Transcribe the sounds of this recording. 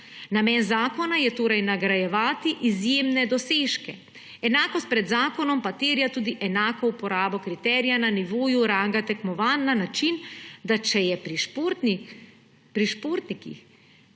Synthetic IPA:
namɛnzaːkɔnajɛt̪oːɾajnaɡɾajɛʋaːt̪iʔizjemnɛd̪ɔseːʃkɛ | ɛnaːkɔst̪̚pɾɛd̪zaːkɔnɔmpat̪eːɾijat̪uːd̪iʔɛnaːkɔupɔɾaːbɔkɾit̪ɛːɾijananiʋoːjuɾaŋɡat̪ɛkmɔʋaːnːanat͡ʃind̪at͡ʃɛjɛpɾiʃp̪ːni | pɾiʃpoːɾt̪nikḭx

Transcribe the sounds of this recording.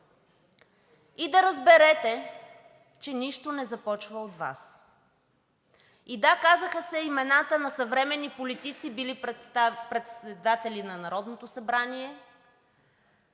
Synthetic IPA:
id̪ɐɾəzbɛɾɛt̪ɛ | t͡ʃɛniʃt̪onɛzɐpɔt͡ʃvəot̪va̰s | id̪akazəxəsɛimɛnat̪ənɐsɐvɾɛmɛnːipolit̪it̪sibilipɾɛt̪sɛd̪at̪ɛlʲinɐnɐɾɔd̪not̪osɐbɾaniɛ

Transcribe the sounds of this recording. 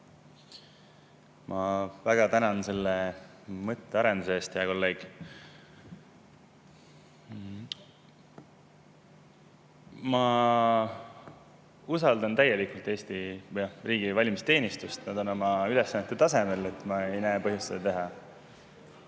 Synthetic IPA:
mʔɑvæɡ̥ɑt̪ænɑnse̞lːe | mɤt̪ːeɑɾe̞nd̪̥useeːst̪ejɑko̞lːe̞ːɡ̥ | mɑ | usɑld̪ɑnt̪æjːe̞likult̪ːˑe̞ːst̪ijɑriːɡ̥ivɑlʲimist̪e̞ːnist̪ust̪nɑd̪o̞no̞mɑylesːɑnet̪ːut̪ɑse̞me̞le̞t̪ːˑmɑejnæːpɤɦjust̪ːed̪ɑt̪e̞ɦɑ

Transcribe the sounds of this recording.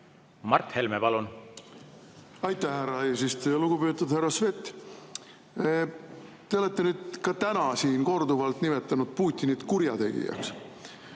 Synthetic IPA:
mɑrt̪he̞lmepɑlun | ɑjt̪ˑːæhhærːɑeːsist̪ejɑluɡ̥upøːt̪ːud̪̥hærːɑsve̞t̪ːˑ | t̪e̞o̞le̞t̪ːe̞nyːd̪̥̚kɑt̪ænɑsiːnko̞rd̪uvɑlt̪nime̞t̪ːˑɑnud̪̥̚puːt̪ʲːˑinit̪kuɾjɑt̪e̞̰ɡḭjɑ̰ks

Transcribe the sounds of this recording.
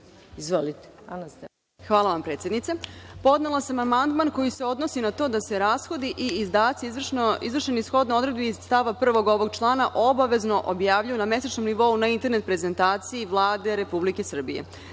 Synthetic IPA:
izʋolit̪ | xʋaːlˠaʋampɾet̪sʲjed̪nit̪sepo̞d̪ne̞lˠasamamand̪manko̞jise̞o̞d̪nosinat̪o̞ːd̪ase̞ɾaːsxo̞d̪iʔiːzd̪aːt̪sirizvr̩ʃenisxo̞d̪noo̞d̪ɾe̞d̪biizst̪aʋapr̩ʋo̞ɡo̞ʋo̞ɡt͡ʃlˠaːnaʔo̞baʋe̞zno̞ʔobjaːʋʎajuname̞sat͡ʃnomniʋo̞unaint̪e̞ɾnet̪̚pɾe̞ze̞nt̪aːt̪sijiʋlˠaːd̪e̞ɾe̞publike̞sr̩bḭjḛ

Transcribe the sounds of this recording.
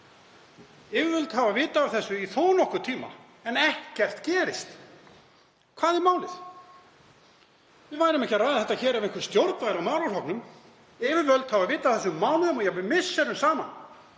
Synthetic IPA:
ɪvɪvœlt̪havavɪːt̪aːvθɛsːʏiθoːwnɔhkʏt̪ʰiːma̰ | ɛnɛhcɛr̥t̪cɛːɾɪst̪ | kʰv̥aːðɪmaːwlɪθ | vɪðvaːjɾɪmɛhcɪaraːjðɪθɛt̪açɛːɾɛvɪ̃ŋkvɪɾst̪jowɾt̪vajɣɾawmaːwlashɔknʏm | ɪvɪɾvœlt̪havavɪːt̪afθɛsʏmːaːwlʏðʏmɔjɛɣvɪmɪsːɛɾʏmsaːma̰n

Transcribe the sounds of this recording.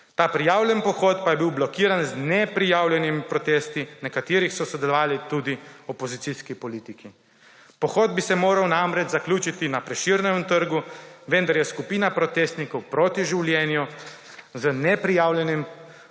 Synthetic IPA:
t̪aːpɾijaːwlʲjɛnpɔxɔːt̪pajɛbiwblɔkiːɾanznɛpɾijaːwlʲjɛnimipɾɔt̪eːst̪inɛkat̪iːɾixsɔsɔd̪ɛlɔʋaːlit̪ud̪iɔpɔzit̪siskipɔliːt̪iki | pɔxɔːd̪̚bisɛmoːɾawnamɾɛd͡ʒzaklʲuːt͡ʃit̪inapɾɛʃiɾnɛmt̪əɾɡuʋɛnd̪aɾjɛskupiːnapɾɔt̪est̪nikɔwpɾoːt̪iʒiwljɛːnju | zənɛpɾijaːwljɛnim

